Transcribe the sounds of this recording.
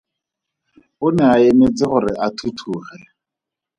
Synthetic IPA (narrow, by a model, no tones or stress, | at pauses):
ʊnɛaɪmet͡sɪχʊɾɪʔatʰutʰuːχɛ